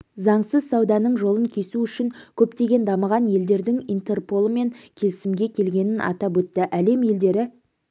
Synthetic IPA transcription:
zɑɴsəzsɑwd̪ɑnəɴʒo̞lˠəŋkʲʰe̞suʏʃɪŋkʲʰɵpt̪e̞ɡʲe̞nd̪ɑməʁɑnje̞ld̪e̞ɾd̪ɪŋint̪e̞rpo̞lˠəme̞ŋkʲʰe̞lɪsɪmɡʲe̞kʲʰe̞lɡʲe̞nɪnʔɑ̰t̪ɑp̬wɵt̪ːɪʔæle̞mje̞ld̪e̞ɾɪ

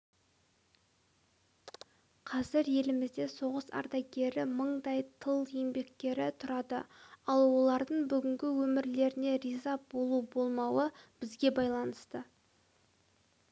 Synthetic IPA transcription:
qʰɑzɪɾje̞lɪmɪzd̪e̞so̞ʁəsɑ̰ɾd̪ɑjɡʲe̞ɾɪməɴd̪ɑjt̪ʰəlˠembe̞k̚t̪e̞ɾɪt̪ʰʊɾɑd̪ə̰ɑlˠwo̞lˠɑɾd̪əɴbʏɡʲɪŋɡʲɪwɵmɪɾle̞ɾɪne̞ɾizɑbo̞lˠubo̞lˠmɑwəb̥ɪzɡʲe̞bɑjlˠɑnəst̪ə

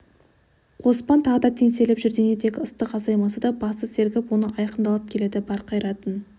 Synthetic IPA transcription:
qʰo̞spɑnt̪ʰɑʁəd̪ɑt̪ʰe̞ŋse̞lɪpʒʏɾɡ̪ʲened̪ʰe̞kʲəst̪əqɑzɑjmɑsəd̪ɑbɑst̪əse̞ɾkʲɪpwo̞nəʔɑjqəmd̪ɑlˠəp̚kʲʰe̞le̞d̪ɪbɑɾqʰɑjɾɑt̪ən

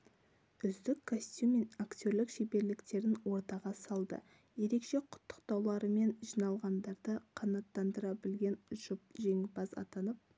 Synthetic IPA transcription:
ʏzd̪ɪkʰːosʲt̪ʲume̞nakt̪ʲo̞ɾlɪkʃebe̞ɾlɪkt̪e̞ɾɪnwo̞ɾt̪ɑʁɑsɑlˠd̪ə̰ | je̞ɾe̞kʃe̞qʰʊ̥t̪ːʊ̥qt̪ɑwlˠɑɾəme̞nʒijnɑlˠʁɑnd̪ɑɾd̪əqʰɑnɑt̪ːɑnd̪əɾɑbɪlɡʲe̞nʒ̥ʊp̚ʒe̞ŋbɑzɑ̰t̪ɑnəp̚

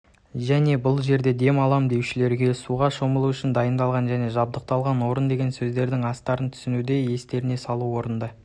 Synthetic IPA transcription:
ʒæne̞bʊlˠʒe̞ɾd̪e̞d̪e̞mɑlˠɑmd̪e̞wʃɪle̞ɾɡʲe̞suʁɑʃo̞məlˠuʏʃɪnd̪ɑjənd̪ɑlˠʁɑnʒæne̞ʒɑb̚d̪əq̚t̪ɑlˠʁɑnwo̞ɾənd̪e̞ɡʲe̞nsɵzd̪e̞ɾd̪ɪŋɑst̪ɑɾənt̪ʰʏ̥sɪnud̪e̞je̞st̪e̞ɾɪne̞sɑlˠuwo̞ɾənd̪ɑ

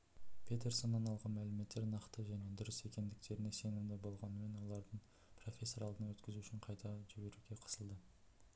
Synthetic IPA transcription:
pʲʰe̞t̪e̞rso̞nːɑnɑlˠʁɑnmælɪme̞t̪ːe̞ɾnɑqt̪əʒæne̞d̪ʊɾɪse̞kʲe̞nd̪ɪk̚t̪e̞ɾɪne̞se̞nɪmd̪ɪbo̞lˠʁɑnəme̞nwo̞lˠɑɾd̪əɴ | pro̞fʲe̞sːo̞ɾɑlˠd̪ənɑwɵt̪kʲɪzuʏʃɪɴqʰɑjt̪ɑʒɪbe̞ɾuɡʲe̞qʰə̥səlˠd̪ə

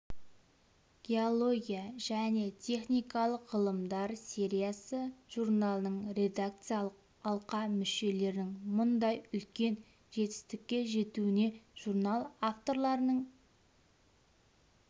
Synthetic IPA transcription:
ɡ̥ʲe̞o̞lˠo̞ɡʲijaʒæne̞t̪ʲʰe̞χnijkɑlˠəqʁəlˠəmd̪ɑɾsʲe̞ɾʲijasəʒ̥uɾnalˠənəɴɾʲe̞d̪ak̚t̪sɨjalˠəq | ɑlˠqɑmʏʃe̞le̞ɾnɪŋmʊnd̪ɑjʏlkʲe̞n | ʒe̞t̪ɪ̥st̪ɪkʲːe̞ʒe̞t̪uɪne̞ʒ̥uɾnalˠaft̪o̞ɾlˠɑɾənəɴ

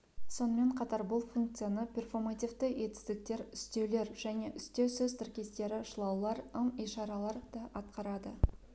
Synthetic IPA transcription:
so̞nəme̞ɴqʰɑt̪ɑɾbʊlˠfuŋk̚t̪sɨjanəpʲe̞rfo̞rmat̪ivt̪əe̞t̪ɪ̥zd̪ɪk̚t̪e̞ɾʏst̪e̞wle̞ɾʒæne̞ʔʏst̪esɵzt̪ʰɪɾkʲe̞st̪e̞ɾɪʃəlˠɑwlˠɑɾəmijʃɑɾɑlˠɑɾd̪̥ɑʔɑt̪̚qɑɾɑd̪ə

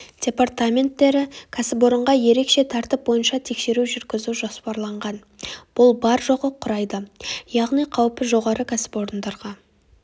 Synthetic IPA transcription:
d̥ʲe̞part̪amʲe̞nt̪ːe̞ɾɪkʲʰasɪpo̞ɾəɴʁɑje̞ɾe̞kʃe̞t̪ʰɑɾt̪ɪp̚bo̞jənʃɑt̪ʰe̞kʃe̞ɾuʒʏɾkʲɪzuʒo̞spɑɾlˠɑɴʁɑn | b̥ʊlˠbɑɾʒoʁəqʰːʊɾɑjd̪əjɑʁnijqʰɑwpəʒo̞ʁɑɾəkʲʰasɪ̥po̞ɾənd̪ɑɾʁɑ

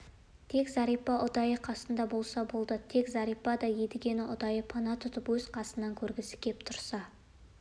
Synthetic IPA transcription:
t̪ʰe̞kzɑɾijpɑʔʊd̪ɑjəqʰɑsənd̪ɑbo̞lˠsɑbo̞lˠd̪ət̪ʰe̞kzɑɾijpɑd̪ɑjed̪ɪɡʲe̞nɪʔʊd̪ɑjəpʰɑnɑt̪ʰʊt̪əpwɵz̥qʰɑsənːɑŋkʲʰɵɾɡʲɪsɪ̥kʲʰe̞p̚t̪ʰʊɾsɑ

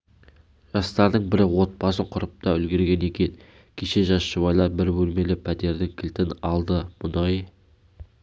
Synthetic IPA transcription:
ʒ̥ɑst̪ɑɾd̪əɴbɪɾwo̞t̪̚bɑsəɴqʰʊɾəp̚t̪ɑɵlɡʲe̞ɾɡʲe̞ne̞kʲe̞n | kʲʰeʃe̞ʒɑsʃəβɑjlˠɑɾbɪɾbɵlme̞lɪpʰæt̪e̞ɾd̪ɪŋkʲʰɪlt̪ɪnɑlˠd̪əmʊnɑj

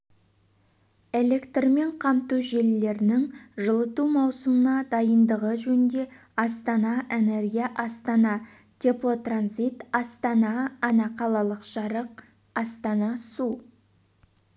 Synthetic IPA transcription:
e̞le̞kt̪rme̞ɴqʰɑmt̪uʒe̞lːe̞ɾɪnɪŋʒəlˠət̪umɑwsəmənɑd̪ɑjənd̪əʁəʒɵnd̪e̞ | ɑst̪ɑnɑʔe̞ne̞ɾɡʲijaʔɑst̪ɑnɑ | t̪ʲʰeplˠot̪ranzit̪ɑst̪ɑnɑːnɑqʰɑlˠɑlˠəqʒ̥ɑɾəq | ɑst̪ɑnɑsu

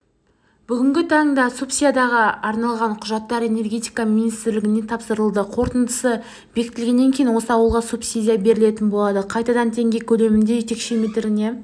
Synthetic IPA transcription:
b̥ʏɡʲɪŋɡʲɪt̪ʰɑɴd̪ɑsupsʲijad̪ɑʁəɑɾnɑlˠʁɑɴqʰʊʒɑt̪ːɑɾe̞ne̞rɡʲe̞t̪ijkaminijst̪ɪɾlɪɡʲɪne̞t̪ʰɑpsəɾəlˠd̪əqʰo̞ɾt̪ənd̪əsə | b̥e̞kʲɪ̥t̪ːɪlɡʲe̞nːe̞ŋkʲejinwo̞səɑwəlˠʁɑsupsʲid̪ʲijabe̞ɾɪle̞t̪ɪnbolˠɑd̪əqʰɑjt̪ɑd̪ɑnt̪ʰe̞ŋɡʲe̞kʲʰɵle̞mɪnd̪e̞ʒet̪e̞kʃe̞met̪ɪɾɪne̞

